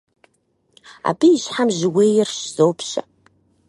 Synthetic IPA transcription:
a̰ːbiːʃħamʒɪweːjɪrʃz̥owpʰɕɐ̰

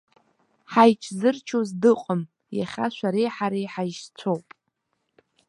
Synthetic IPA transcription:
ħajt͡ʃʰzɨrt͡ʃʰozdɨqʷʼəm | jaχʲaʃʷaɾejħaɾejħajʃt͡sʷʰowpʼ

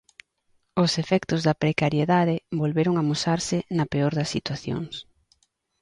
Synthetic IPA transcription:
ʊsefɛkt̪ʊzðɐpɾekaɾjeðaðɪbolβeɾʊŋamosaɾsɪnɐpeoɾðɐsːit̪waθjo̰ŋs

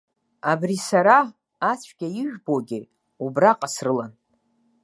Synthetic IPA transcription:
abrisaɾaː | t͡sʷʰɡʲaɪʒᶣboɡʲɪ | ubraqʼasrɨlan

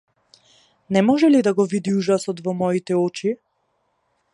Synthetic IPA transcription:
nɛmɔʒɛlid̪aɡɔvid̪iuʒasɔt̪vɔmɔit̪ɛɔt͡ʃi

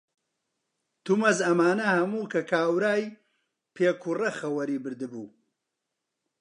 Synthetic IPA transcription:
t̪umɐzɐmaːnɐhɐmuːkʰɐkʰaːwɾaːj | pʰeːkʰurɐxɐwɐɾiːbɨɾd̪ɨbuː

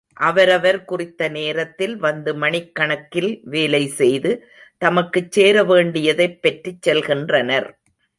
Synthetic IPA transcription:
ʔɐʋɐɾɐʋɐɾkʊrɪt̪ːɐneːɾɐt̪ːɪlʋɐnd̪ɯmɐɳɪkːɐɳɐkːɪlʋeːlɐɪsɛjðɯ | t̪ɐmɐkːɯt͡ʃːeːɾɐʋeːɳɖɪjɐðɐɪpːɐʈrit͡ʃːɛlɣɪndrɐnɐɾ

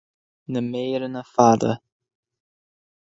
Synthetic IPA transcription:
nəmeːɾənəfad̪ə̰

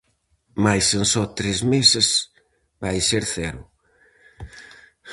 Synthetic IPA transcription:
majsensɔt̪ɾezmesɪs | bajseɾθɛɾʊ

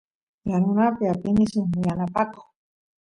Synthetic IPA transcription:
janʊnapɪapɪnɪsʊŋmɪjanapako̥

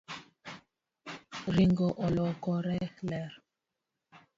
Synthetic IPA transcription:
ɾiŋɡɔʔɔlɔkɔɾɛlɛɾ

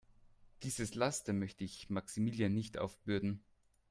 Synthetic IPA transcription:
d̥iːzəslastəmœçtəɪçmaksimiːljanːɪçtʔa̰ʊfb̥ʏɐdn̩

